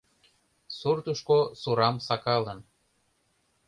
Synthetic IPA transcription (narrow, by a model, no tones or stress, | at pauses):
surt̪uʃkosuɾɑmsɑkɑlən